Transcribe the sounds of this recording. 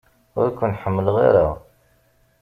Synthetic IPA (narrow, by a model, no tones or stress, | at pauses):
ʊ̰ɾkʷːʊnħəmːəlʁḭɾəʁ